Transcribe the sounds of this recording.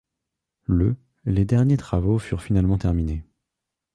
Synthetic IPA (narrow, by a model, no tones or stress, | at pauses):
lə | led̪ɛʁnjet̪χavofyʁfinalmɑ̃t̪ɛʁmine